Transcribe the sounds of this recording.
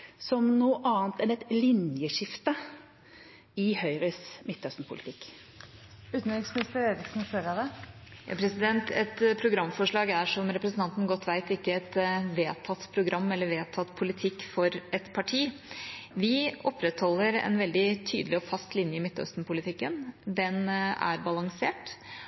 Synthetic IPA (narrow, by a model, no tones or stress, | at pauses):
sɔmnuːəʔɑːnt̪ɛnɛt̪lɪnjəʂɪft̪ə | ɪhœʏɾəsmɪt̪ːœst̪n̩pʰʊ̰lɪt̪ʰɪkː | ʉːt̪n̩ɪksmənɪst̪əɾeːɾɪksn̩søɾɑd̪ɛjɑ̰ːpʰɾɛsɪd̪ɛnt̪ɛt̪pʰɾʊɡɾɑmːfɔʂɭɑːɡæʂɔmɾɛpɾəsənɑnt̪n̩ɡɔt̪ːʋæɪt̪ɪkːəɛt̪ʋeːt̪ʰɑt̪ːpʰɾʊɡɾʔɑmːɛlːəɾʋeːt̪ʰɑt̪pʰʊlɪt̪ʰɪkːfɔɾɛt̪pʰɑʈʰiː | ʋɪɔpɾɛt̪hɔlːəɾɛ̰nʋɛld̪ɪt̪ʰyːd̪əlɪɔfɑst̪lɪnjəɪmɪt̪ːœ̰st̪n̩pʊlɪt̪ʰɪkːənd̪ɛnæ̰ɾbɑlɑŋseːʈ